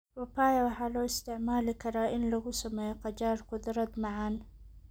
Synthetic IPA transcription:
wɐpaːjɐwɑħɑːlɔːɪst̪ʰɪʕmaːlɪkʰɐɾaːʔɪnlɐɣʊsɐmɛːjɔqɑt͡ʃaːrqʊd̪ɾɐd̪mɑʕɑn

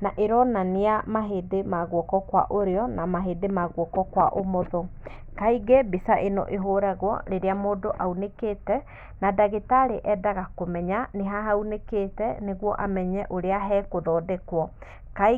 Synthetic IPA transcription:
naʔeɾɔnaneamaɦedemaɣwɔkɔkwa̰ʔoɾeɔnamaɦeːdemaɣwɔkɔkwaʔomɔðɔ | kaiɡebesaʔenɔ̰ʔeɦoɾaɣwɔ̰ɾeɾeamoːdoʔaunekeːtɛ | nadaɣetaɾeʔɛdaɣakomɛɲaneɦaɦauneketɛneɣwɔʔamɛɲɛʔoɾeaɦɛːkoðɔːdɛkwɔ | ka

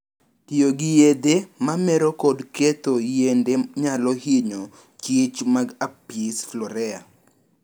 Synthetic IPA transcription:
tioɡɪjed̪emamɛɾokɔdket̪ojendeɲalɔhiɲo | t͡ʃɪt͡ʃmaɡapisflɔɾɛa̰

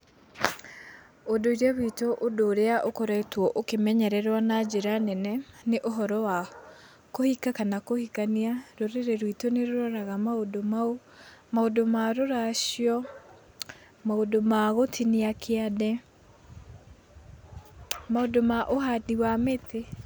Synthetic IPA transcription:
odoiɾaβitoʔodoːɾeaʔokoɾɛitwɔʔokemɛɲɛɾɛɾwanad͡ʑeɾanɛnɛneʔoɦɔɾɔwa | kohikakanakohikaniaɾoɾeɾeɾwitoneɾoɾɔɾaɣamaodomao | maodomaɾoɾaɕjɔ | maodomaɣotʰiniakʰeadɛ | maodomaʔoɦadiwamete

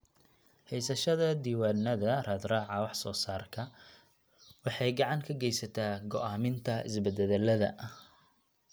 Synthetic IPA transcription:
hɛjsɐʃɐðɐd̪iːwaːnːɐðɐrɐːd̪raːʕɑwɑħsɔːsaːrkʰɐ | wɑħɑjɡɑʕɑŋkʰɐɡɛjsɐt̪ʰaːɡɔʔaːmɪnt̪ʰɐɪ̰sbɛd̪ɛðɛlɐðɐ̰ʔ

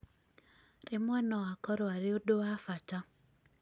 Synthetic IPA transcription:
rɪmwɔnɔakɔɾaɾɪodoafat͡ʃa

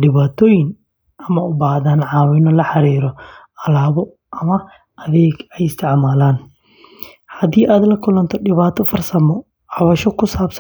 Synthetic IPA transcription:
ɖɪβaːt̪ʰɔːjɪn | ɐmɐʊbaːhðaːnʕɑːwɪnɔlɐħɑɾiːɾɔ | ɐlaːβɔ | ʔɐmɐ | ɐðɛːɡɛjɪst̪ʰɪʕmaːlaːn | hɐðiːʔaːd̪lɐkʰʊlɐnt̪ʰɔɖɪβaːt̪ʰɔfɐrsɐmɔ | ʕɑβɐʃɔkʰʊsaːbs

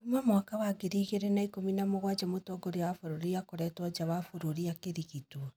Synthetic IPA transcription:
mamwakawaɡeɾiːɣeɾenaikominamoɣwad͡ʒamotɔɡoɾewafoɾoɾiakoɾɛtwɔd͡ʒawafoɾoɾiakeɾiɣitwɔ

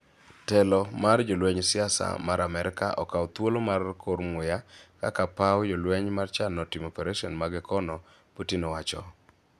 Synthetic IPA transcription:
tɛlɔmard͡ʒolwɛɲsɪasa̰maɾamɛɾɪka̰ʔɔ̰kawɔt̪wolomarkʰoɾmʊjaka̰kapawjolwɛɲmart͡ʃanɔtimopɛɾaʃiɔnmaɡɪkɔnɔ | potinowat͡ʃɔ̰

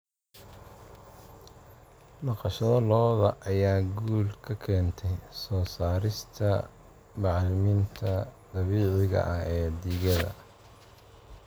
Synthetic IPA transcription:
nɑqɑʃɐðɐlɔːðɐʔɐjaːɡuːlkʰɐkʰɛːnt̪ʰɛjsɔːsaːɾɪst̪ʰɐ | mɑʕlɪmiːnt̪ʰɐd̪̥ɑβiːʕɪɣɐ̰ʔɐɦɛːd̪iːɣɐðɐ̰

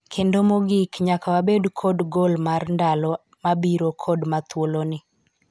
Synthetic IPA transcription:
kʰendomoɡikɲakawabedkʰɔdɡolmarndalɔ | mabiɾokʰɔdmat̪wolonɪ

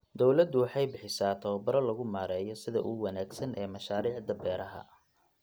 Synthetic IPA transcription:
d̪ɔwlɐd̪ʊwɑħɑjbɪħɪsaːt̪ʰɐwɐbɐɾɐlɐɣʊmaːɾɛːjɔsɪðɐ̰ʔʊwɐnaːɡsɐnʔɛːmɐʃaːɾiːʕd̪ɐbɛːɾɐɦɐ̰

